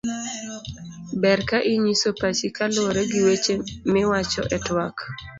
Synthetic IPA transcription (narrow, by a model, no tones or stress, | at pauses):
bɛrkaʔiɲisopat͡ʃikaloɾeɡiwet͡ʃemɪwat͡ʃɔ̰ʔɛtwak